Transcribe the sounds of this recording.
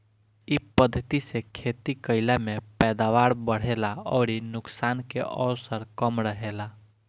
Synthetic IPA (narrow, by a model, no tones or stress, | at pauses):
ipəd̪ʱːət̪isekʰet̪ikəɪlamepɛd̪aʋaɾbəɽ̤elaɔʊɾinuksankḛʔɔwsəɾkəmɾəɦela